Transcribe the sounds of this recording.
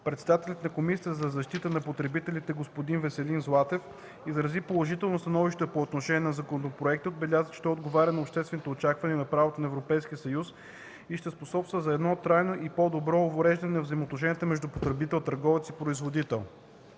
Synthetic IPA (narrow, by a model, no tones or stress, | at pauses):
pɾɛt̪sɛd̪at̪ɛlʲət̪nɐkomisʲiəzɐzɐʃt̪it̪ənɐpot̪ɾɛbit̪ɛlʲit̪ɛɡospod̪invɛsɛlinzlˠat̪ɛf | izɾɐzipolˠoʒit̪ɛlˠnost̪ɐnɔviʃt̪ɛpoot̪noʃɛnʲiɛnɐzɐkonot̪opɾoɛkt̪iod̪bɛlʲazəʃt̪ɛod̪ɡovaɾʲənɐopʃt̪ɛst̪vɛnit̪oot͡ʃakvɐniɛnɐpɾavot̪onɐɛvɾopɛjsk̟iəsɐjus | iʃt̪ɛsposɔpst̪vəzɐɛd̪nɔt̪ɾajnoʔipod̪obɾɔːvoɾɛʒd̪ɐnɛnɐvzɐimoːt̪noʃ̬ɛnijət̪əmɛʒd̪upot̪ɾɛbit̪ɛlˠt̪əɾɡɔvɛt̪sipɾoizvod̪it̪ɛlˠ